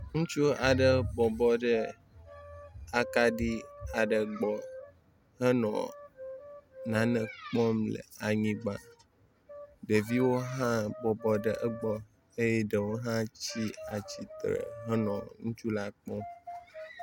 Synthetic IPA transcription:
ŋũ˦t͡ʃu˦a˨ɖə˨bɔ˨bɔ˦ɖə˦ | a˨ka˦ɖi˦a˨ɖə˨ɡ͡bɔ˨ | ɦə˦nɔ̰̃˨ | nã˨nɛ̃˨k͡pɔ̃˦mlə̰˨a˨ɲĩ˦ɡ͡ba˨ | ɖə˨vi˦wo˦ɦã˦bɔ˨bɔ˦ɖə˦ʔə˦ɡ͡bɔ˦ | e˦je˦ɖə˨wo˦ɦã˦t͡ɕi˦a˨t͡ɕi˨t̪ɾə̰˨ɦə˦nɔ̃˨ŋũ˦t͡ʃu˦la˦k͡pɔ̃˦m

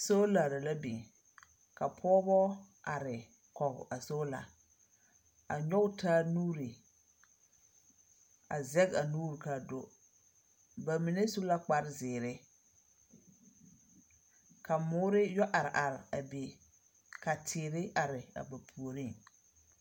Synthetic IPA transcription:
so˦la˨ɾa˨la˦bḭ˨ŋ | ka˨pʰɔ˦bɔ˦ | ʔa˨ɾɪ˨ | kɔ˨ba˨so˦la̰˨ | a̰˨ɲɔ˦ɡtʰaː˦nuː˦ɾi˨ | a˨zɛ˦ka˨nuː˦ɾka˨do˦ | ba˨mi˨ne˦su˦la˦k͡pa˦ɾzɪː˨ɾɪ˦ | ka˨mʊː˦ɾɪ˦jɔ˦ʔa˨ɾɪ˨ʔa˨ɾɪ˨a˨be˨ | ka˨tʰɪː˨ɾɪ˦ʔa˨ɾɪ˨a̰˨ba˨pʰu˨o˨ɾi˦ŋ

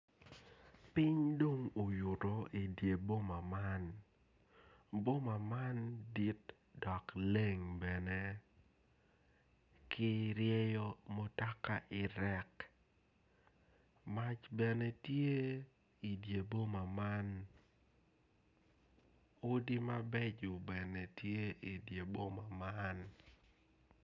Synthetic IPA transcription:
pɪ˦ɲdo˦ŋo˨jʊ˨tɔ˨i˨dje˨bo˦ma˨ma˦n | bo˦ma˨ma˦ndi˦t | dɔ˨kle˦˨ŋbɛ˨ne˦ | kʰɪ˦ɾjɛ˦jɔ˦mo˦ta˦ka˨ʔɪ˨ɾɛ˦k | ma˦t͡ʃbɛ˨nɛ˦tje˦ | i˨dje˨bo˦ma˨ma˦n | ʊ˦di˦ma˦bɛ˦d͡ʒʊ˨bɛ˨ne˨tje˦i˨dje˨bo˦ma˨ma˦n

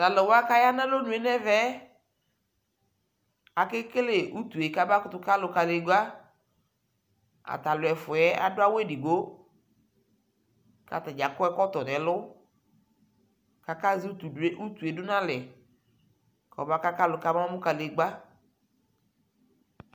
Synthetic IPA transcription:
ta˨lɛ˨wa˦ka˦ja˦nã˦lo˦nʊ˨ɛ˨nɛ˦vɛ˦ | a˨kɪ˦kɪ˦le˨ʔu˦t̪u˨e˨ka˦ba˦kʊ˨˦t̪ʊ˦ka˦lʊ˨ka˨le˨˦ɡ͡ba˦ | a̰˨t̪a˨lʊ˨ɛ˨fʊ˨ɛ˦a̰˨dʊ˦a˦wɛ˦di˨ɡo˦ | ka̰˨ta˨d͡ʒa˨kɔ˦ɛ˦kɔ˦tɔ˨nɛ̃˨lʊ˦ | ka˨ka˦zi˦u˦t̪u˨de˦ʔu˦t̪u˨e˨dʊ˦nã˦lɛ˨ | kɔ̰˨ba˦ka˦ka˦lʊ˨ka˦ma˦mʊ˦ka˨le˨ɡ͡ba˦

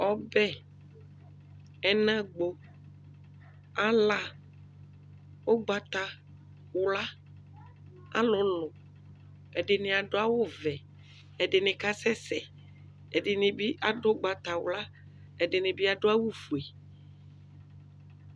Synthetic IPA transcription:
ɔ˦bɛ˦ | ɛ˨nã˦ɡ͡bo˨ | a˦la˦ | wo˦ɡ͡ba˨t̪a˨ | wla˦ | a̰˦lʊ̃˨˦lʊ̃˨ | e˨ɖe˨nẽ˨a˨ɖo˦a˦wo˦vɛ˨ | e˨ɖe˨nẽ˨ka˦sɛ˦sɛ˨ | e˨ɖe˨nẽ˨bi˦ʔa˨do˦ɡ͡ba˨t̪a˨wla˦ | e˨ɖe˨nẽ˨bi˦a˨ɖo˦a˦wu˦fu˨e˨

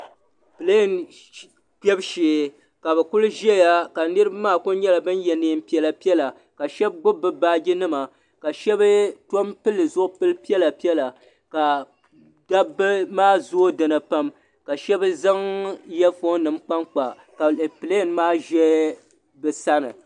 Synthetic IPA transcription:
pɨ˨le˦˨n | k͡pɛ˦bʃeː˨ | ka˨bɛ˨kʊ˦lʒi˦ɛ˦ja˦ka˨nɨ˦ɾɨ˦ba˦maː˦˨kʊ˦ɲɛ˦la˨bɨ˦njɛ˨nɨː˦˨m˦pi˦ɛ˦la˨pi˦ɛ˦la˨ | ka˨ʃɛ˦b̚ɡ͡bʊ˦bːɨ˦baː˦ɡi˦nɨ˦ma˨ | ka˨ʃɛ˦bɨ˦to˦mpɨ˦lːɨ˨zʊ˦ʔʊ˦pɨ˦lpi˦ɛ˦la˨pi˦ɛ˦la˨ | ka˨ | da˦bːɨ˦maː˦˨zo˦o˦dɨ˨nɨ˨pa˦m | ka˨ʃɛ˦bɨ˦za˦ŋjɛ˦fo˦nɨ˨mk͡pa˦ŋk͡pa˨ | ka˨pɨ˨le˦˨nmaː˦ʒɛ˦ | bɨ˨sa˦nɨ̰˨

